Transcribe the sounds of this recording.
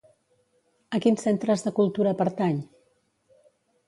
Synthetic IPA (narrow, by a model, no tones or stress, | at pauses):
əkinsent̪ɾəzðəkulˠt̪uɾəpəɾt̪aɲ